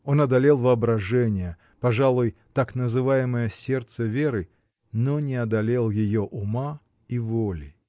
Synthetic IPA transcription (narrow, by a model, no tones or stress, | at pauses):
o̞nɐd̪ɐlʲelˠvəɐbɾɐʐɛnʲɪjə | pɐʐalˠʊjt̪aknəzɨvajɪməjəsʲe̞rt̪səvʲe̞ɾɨ | nonʲɪɐd̪ɐlʲe̞lˠjɪjoʔʊma | ivolʲɪ